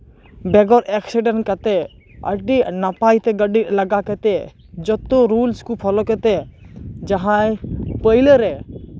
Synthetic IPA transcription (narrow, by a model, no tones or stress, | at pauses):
bɛɡɔɾɛksiɖənkat̪e | ə̰ɖinapaːjt̪eɡəɖiləɡaket̪e | d͡ʒɔt̪oɾulskupʰɔlɔket̪ed͡ʒɐɦãepəiləɾɛ